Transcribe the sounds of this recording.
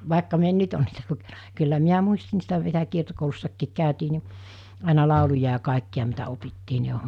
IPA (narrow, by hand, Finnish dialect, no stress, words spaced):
ʋɑˑekːɑ mi en nyt on niːtæ lukenɑ̥ kylːæ miæ muisti niːstæ ʋielæ kiertokoulusːɑkːiːk kæˑytiː ni ɑˑenɑ lɑˑulujɑ jɑ kɑˑikːiɑ mitæ opitːiː ni